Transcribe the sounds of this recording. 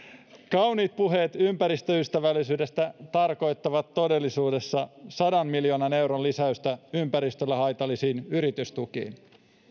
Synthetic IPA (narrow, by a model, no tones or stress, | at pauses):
kɑwniːt̪̚puɦe̞ːt̪ympæɾist̪øyst̪æʋælːisyːde̞st̪æt̪ɑrko̞jt̪ːɑʋɑt̪ːo̞de̞lːisuːde̞sːɑsɑdɑnmiljo̞ːnɑne̞wɾolisæyst̪æympæɾist̪ølːæɦɑjt̪ɑlːisiːnyɾit̪yst̪ukḭːn